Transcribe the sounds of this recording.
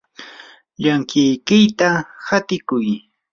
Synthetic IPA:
ʎaŋkɪjkɪjt̪ahat̪ɪkʊj

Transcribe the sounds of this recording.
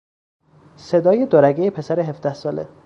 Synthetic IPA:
se̞d̪ɒːjed̪oɾæɡejepʰe̞sæɾeɦefd̪æhsɒːlḛ

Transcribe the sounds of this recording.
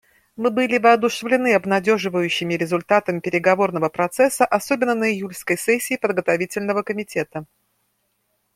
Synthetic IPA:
mɨbɨlʲɪvəɐd̪ʊʂɨvlʲɪnɨɐbnɐdʲo̞ʐɨvəjʉɕːɪmʲɪɾʲɪzʊlʲt̪at̪əmʲpʲɪɾʲɪɡɐvo̞rnəvəpɾɐt̪sɛsːəʔɐsobʲɪnːənəɪjulʲskəjsɛsʲːɪːpəd̪ɡət̪ɐvʲitʲɪlʲnəvəkəmʲɪtʲe̞t̪ə

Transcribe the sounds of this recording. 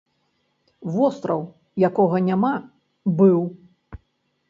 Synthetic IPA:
vɔst̪ɾɐw | jakɔɣɐnʲama | bɨw

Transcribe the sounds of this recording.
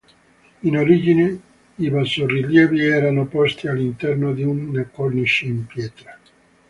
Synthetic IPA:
inoɾid͡ʒine | ibalsorːiljɛːviɛːɾanopɔst̪ialːint̪ɛrnod̪iunːekːɔlniʃiimpjɛːt̪ɾa

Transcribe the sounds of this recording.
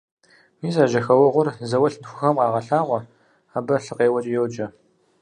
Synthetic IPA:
miːsaːʒɐxɐwɐʁʷʊrzɐwɐɬnxʷʊxɐmqɑːʁɐɬaːʁʷɔ | aːbɐɬɨqeːwɐt͡ʃʼjowd͡ʒʼɐ

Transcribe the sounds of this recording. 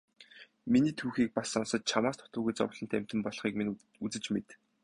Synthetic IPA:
miniːt̪ʰuːxiːk̚pasɔnsə̆t̪̚t͡ɕʰamaːst̪ʰʊ̥t̪əːɣujt͡sɔ̰w̆ɮɞ̆nt̪ʰæm̥ʲt̪ɘ̆mpɔɮ̆χiːkmn | ut͡sɘ̆t͡ɕmet̪

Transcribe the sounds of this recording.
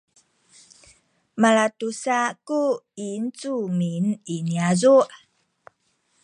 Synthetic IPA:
malatusakuint͡sumininiazuʔ

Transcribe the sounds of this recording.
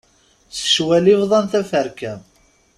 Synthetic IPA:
t͡sə̥ʃwælivðˤɑnθæfəɾkæm

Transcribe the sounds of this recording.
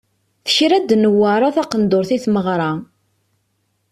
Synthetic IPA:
θə̥çɾæd̪nəwːaɾˤaθɑqənd̪oɾθiθməʁɾˤɑ

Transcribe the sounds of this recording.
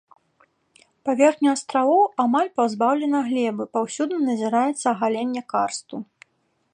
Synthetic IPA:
pavʲɛrxnʲuast̪ɾavɔwamalʲpawzbawlʲɛnɐɣlʲɛbɨpawsʲud̪nɨnɐzʲiɾajɛt̪sːɐːɣalʲenʲːɐkarst̪u

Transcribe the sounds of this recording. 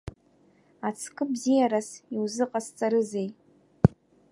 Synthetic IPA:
at͡sʰkʼɨbzijaɾasiwzɨqʼast͡sʼaɾɨzej

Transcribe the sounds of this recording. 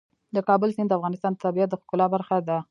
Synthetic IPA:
d̪əkɑbəlsind̪əafɣɑnɪst̪ɑnət̪abijat̪̚d̪əxkʊlɑbaɾxad̪a

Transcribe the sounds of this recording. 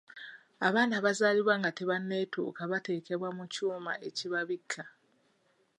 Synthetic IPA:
aβaːnaβazaːliβwaŋɡateβanːe̞ːtʰṵkaβate̞ːke̞βwamucuːma̰ʔe̞ciβaβikʰːa

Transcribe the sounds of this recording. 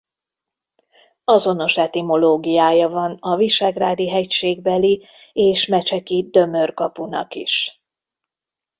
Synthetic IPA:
ɒzo̞no̞ʃɛt̪imo̞loːɡijaːjɒvɒnɒviʃaːɡraːd̪iɦɛcʃeːɡbɛli | eːʃmɛt͡ʃɛkid̪ø̞mørkɒpunɒ̰kḭʃ

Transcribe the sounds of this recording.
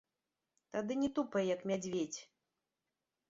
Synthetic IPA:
t̪ad̪ɨnʲɛt̪upɐjjɐkmʲad͡zʲvʲet͡sʲ

